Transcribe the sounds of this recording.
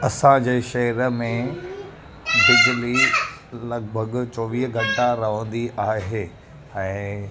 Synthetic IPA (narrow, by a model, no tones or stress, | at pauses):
ɐsãd͡ʑeːʃɐɦəɾəmẽ | bɪd͡ʑʊli | lɐɡbʱəɡt͡ɕoːʋiːɦɡʱɐ̃ɳʈaɾɐʋə̃nd̪iʔaːɦeː | ɛ̃ː